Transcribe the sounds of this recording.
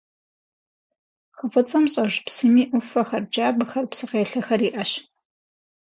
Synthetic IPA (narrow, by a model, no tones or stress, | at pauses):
χəfʼɨt͡sʼɐmɕʼɐʒpsɨmiːʔʷʊfɐxɐrd͡ʒaːbɨxɐrpsɨqeːɬɐxɐriːʔɐɕ